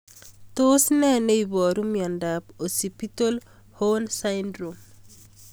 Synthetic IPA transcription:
to˦snɛ˦ne˦ibɔ˨ɾumja˨ndapo˨si˨pi˦to˦l | honsaindɾom

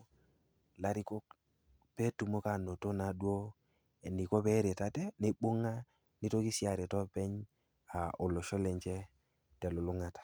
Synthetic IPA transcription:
la˨ɾi˦ko˦k | pe˦tu˨mo˦ka˨no˨to˦na˨˦dwo˦ | e˨ni˨ko˦pɛ˦ɾe˨ta˦tɛ˦ne˦ɓo˦ŋa˦ | ni˦to˦ki˦si˦a˨ɾɛ˨tɔ˦pɛ˦ɲ | a˨o˨lo˨ʃɔ˦lɛ˨ɲt͡ʃɛ˦ | tɛ˨lo˨lu˦ŋa˨tḁ˨

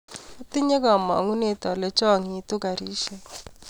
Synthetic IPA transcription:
ʊ˦t̪ɪ˦ɲe˦ɡɔ˨mɔ̰˨ŋu˦ne˦˨t̪ɔ˨lɛ˦t͡ʃɔ˦˨ŋi˨t̪u˦ɡa˨ɾi˦ʃɛ˨

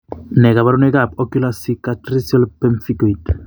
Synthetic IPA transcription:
nɛ˨ka˨βa˦ɾu˦nɛ˦ɡa˨pɔ˦ku˦lasi˦katɾi˦sia˦lpɛ˦mfi˦koit

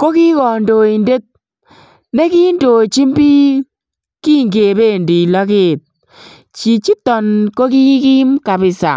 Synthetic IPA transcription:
ko˦ki˦kɔ˨ndo˨i˨nde˦t̚ | ne˦ki˦ndo˨t͡ʃi˦mbi˦ | ki˦ŋɡe˨be˦˨ndi˨lɔ˦kɪː˦˨t̚ | t͡ʃi˨t͡ʃi˦tɔ˨nko˦ki˦ki˦mka˨bɪ˨sa̰˨

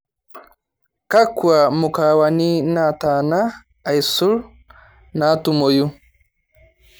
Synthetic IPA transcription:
ka˦kwa˨mu˨ka˨wa˨ni˦na˦˨ta˨naː˦˨ | i˨su˦l | na˨˦tu˨mo˨ju˦

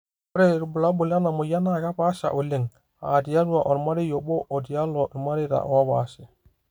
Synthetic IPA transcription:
o˦ɾe˦ɾu˨bu˨la˦bu˨la˦na˨mo˨ja˦na˦ka˦pa˦ʃa̰˨ʔo˨li˦˨ŋ | a̰˨di˨ja˦du˦a˨ʔo˨ɾma˦ɾi˦jo˨ɓo˦ʔo˨di˨ja˦lo˨ɾma˦ɾi˦ɾa̰˨ʔo̰˨wa˦ba˨si˨

